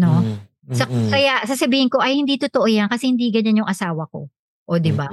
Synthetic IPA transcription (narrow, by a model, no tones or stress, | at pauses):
no̞ | sɐsɐjaʔsɐsɐbiːhɪnko̞ʔɐjhɪnd̪iːt̪ot̪oʔojankɐsɛhɪnd̪iːɡɐɲanjʊŋʔɐsaːwɐko̞̰ | ʔod̪ɪba